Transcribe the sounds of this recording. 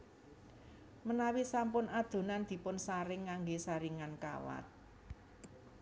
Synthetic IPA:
mənawisampʊnad̪̥o̤nand̪̥i̤pʊnsaɾɪŋːaŋɡesaɾiŋanka̰wa̰t̪̚

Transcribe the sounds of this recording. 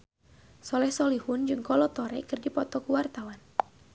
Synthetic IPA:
sɔlɛhsɔlihʊnd͡ʒɨŋkɔlɔt̪ɔɾɛkɨrdipɔt̪ɔkuwart̪awan

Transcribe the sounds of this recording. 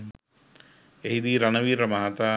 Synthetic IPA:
eɦid̪iːɾanəʋiːɾəmaɦat̪aː

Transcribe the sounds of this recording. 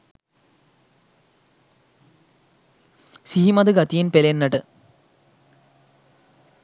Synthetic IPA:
siɦimɐd̪ɨɡɐt̪ːijinpelenːɐʈɨ

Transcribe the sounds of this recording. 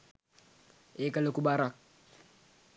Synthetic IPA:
ekalokubaɾak̚

